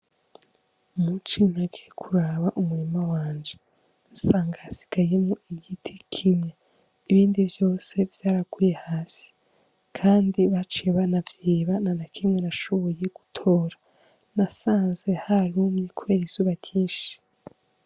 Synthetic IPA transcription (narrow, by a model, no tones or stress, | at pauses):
mut͡ʃinaɡekʰuɾaβaʔumuɾimawaːnd͡ʒe | nsaːŋɡaasi̥ɡ̥aje̞mŋoiɟitʰikʰimɲa | iβiːndivjo̞ːse̞vjaːɾakuːjehaːsi̥ | kʰaːndiβat͡ʃeβanavjiːβananakʰimŋe̞naʃo̞βo̞je̞ɡ̥u̥tʰo̞ːɾa | nasaːnze̞haɾuːmɲekuβe̞ːɾiz̥uːβaɟiːnʃi̥